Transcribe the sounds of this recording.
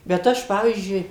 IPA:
bʲɛt ˈɐʃ ˈpɑːʋʲiːzʲd͡ʒʲʊɪ

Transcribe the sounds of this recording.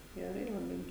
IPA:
ɡʲɛˈrɐɪ lˠɐˈbɐɪ

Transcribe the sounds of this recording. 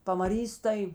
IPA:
pɐmɐˈrʲiːs tɐɪ

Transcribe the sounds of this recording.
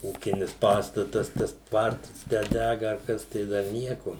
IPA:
ˈuːkʲɪnʲɪs ˈpɑːstɐtɐs tɐs ˈtʋɐrtɐs tʲæː ˈdʲæɡɐ ɐr ˈkɐs tɐɪ ˈdɐr ˈnʲiɛkoː

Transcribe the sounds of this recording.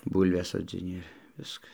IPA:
ˈbuːlʲʋʲɛs soːd͡zʲɪˈnʲɪ ɪr ˈʋʲɪskɐ

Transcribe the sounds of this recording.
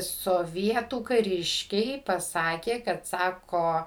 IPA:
soːˈʋʲiɛtuː kɐˈrʲɪʃʲkʲɛɪ pɐˈsɑːkʲeː kɐt ˈsɑːkoː

